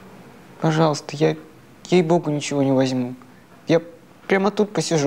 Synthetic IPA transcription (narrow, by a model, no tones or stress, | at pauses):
pɐʐɑlˠəst̪əja | jejboɡʊnʲɪt͡ɕɪvo̞nʲɪvɐzʲmu | ja | pɾʲamət̪ut̪̚pəsʲɪʐ